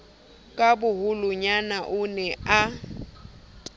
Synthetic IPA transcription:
kʼabʊɦʊlʊɲanaʔʊnɛa

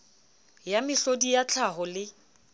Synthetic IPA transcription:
jamɪɬodijat͡ɬʰaɦɔlɪ

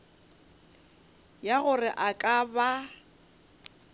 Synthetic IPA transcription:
jaɣʊrɪʔakʼaba

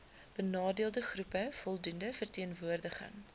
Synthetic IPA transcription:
b̥ənɑːdiəlˠdəχrupəfɔlˠdundəfərtiənvuərdəχə̰ŋ

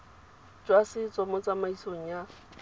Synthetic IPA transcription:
d͡ʒwasɪt͡sʼɔmɔt͡sʼamaisoŋ̩ja

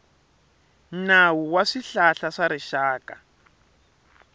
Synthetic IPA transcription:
nawuwaʂiɬaɬaʂaɾiʃaːka

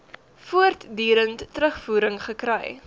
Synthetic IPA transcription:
fuərtdyːɾəntːɾəχfuːɾəŋχəkɾɛj

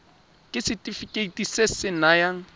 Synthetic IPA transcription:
kʼɪsɪtʼifikʼeitʼisesɪnajaŋ̩

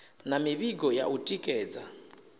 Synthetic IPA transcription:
namiβiɡɔja̰ʔutʼikʼɛːd͡za

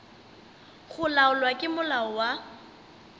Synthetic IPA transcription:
χʊlaɔlwakʼɪmʊlaɔwa

